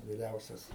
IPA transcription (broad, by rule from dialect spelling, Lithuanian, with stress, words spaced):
ʋʲɪˈrʲɛʊsʲɛs